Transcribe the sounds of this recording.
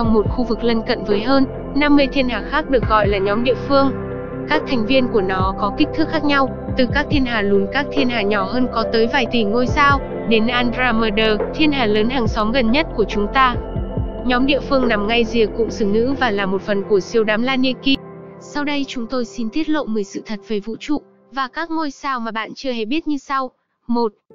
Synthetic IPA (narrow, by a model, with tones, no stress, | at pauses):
t͡ɕɔ˧wŋ͡mmo˨˩t̚xu˧vɨ˨˩k̚lə˧nkə̰˧˨nvəː˨˦jɦəː˧n | na˧mːɨ˧əjt̪ʰi˧ənhaː˨˩xaː˦˥k̚ɗɨ˨˩ək̚ɣɔ̰˧˨jlaː˨˩ɲɔ˨˦mɗḭ˧˨əfɨ˧əŋ | kaː˦˥k̚t̪ʰa˨˩jŋ̟vi˧ənku˧˩ənɔ˨˦kɔ˨˦ki˦˥k̚t̪ʰɨ˦˥k̚xaː˦˥k̚ɲa˧w | t̪ɨ˨˩kaː˦˥k̚t̪ʰi˧ənɦaː˨˩lu˨˦ənkaː˦˥k̚t̪ʰi˧ənɦaː˨˩ɲɔ˧˩ɦəː˧nkɔ˨˦t̪əː˨˦jvaː˨˩jt̪i˨˩ŋo˧jsaː˧w | ɗe˨˦nʔaː˧ndɾaː˧məː˧ɗəː˧˩t̪ʰi˧ənɦaː˨˩ləː˨˦nɦaː˨˩ŋsɔ˨˦mɣə˨˩nɲə˦˥t̚ku˧˩ət͡ɕʊ˨˦ŋ͡mt̪aː˧ | ɲɔ˨˦mɗḭ˧˨əfɨ˧əŋna˨˩mŋa˧jzi˨˩əkːʊ̰˧˥ŋ͡msɨ˧˩ŋŋɨ̰˧˥vaː˨˩laː˨˩mo˨˩t̚fə˨˩nku˧˩əsi˨˧˩əwɗaː˨˦mlaː˧nːḭ˧˨ki˧sa˧wɗə˧jt͡ɕʊ˨˦ŋ͡mt̪o˧jsi˧nt̪ʰi˦˥ət̚lo̰˧˨mɨ˨˩jsɨ̰˧˨t̪ʰə˨˩t̚ve˨˩vṵ˧˨t͡ɕṵ˧˨ | vaː˨˩kaː˦˥k̚ŋo˧jsaː˧wmaː˨˩ɓa̰ː˧˨nt͡ɕɨ˧əhɛ˨˧˩ɓi˦˥ət̚ɲɨ˧sa˧w | mo˨˩t̚